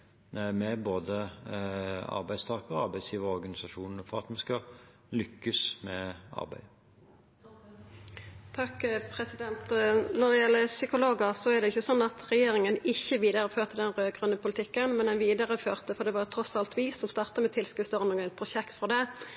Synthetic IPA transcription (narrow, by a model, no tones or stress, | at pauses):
næɪmɛboːd̪ə | ɑ̰ɾbæɪst̪ʰɑːkəɔɑɾbæɪsjiːʋəɾɔɾɡɑnɪsɑʃuːnnəfɔʁɑt̪mɛskɑ | lʏkːəsmɛʔɑ̰ɾbæ̰ɪ | t̪ʰɑkpʰɾɛsɪd̪ɛnt̪nɔʁd̪ɛjɛlːəsʏkʊloːɡəsɔæʁd̪ɛʏçːəsɔnːɑt̪ʁɛjeːɾɪŋənɪçːəʋiːd̪əɾəføːʁt̪əd̪ɛnʁøːɡʁʉnːəpʰʊlɪt̪ʰɪkːənmɛnɛnʋiːd̪əʁəføːʁt̪əfɔʁd̪ɛʋɑːʁt̪ʰɾɔsɑlt̪ʋiːsɔmst̪ɑːʁt̪əmɛt̪ʰɪlskʉːst̪ɔʁnuːɡənpʰʁʊʃɛkt̪fɔʁd̪ɛ